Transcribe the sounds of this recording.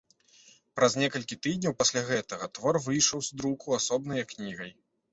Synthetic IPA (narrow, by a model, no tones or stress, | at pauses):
pɾɐznʲɛkɐlʲkʲit̪ɨd̪ʲnʲɐwpasʲlʲaɣɛt̪ɐɣɐt̪vɔrvɨjʂɐwzd̪ɾukuasɔbnɐjɐknʲiɣɐj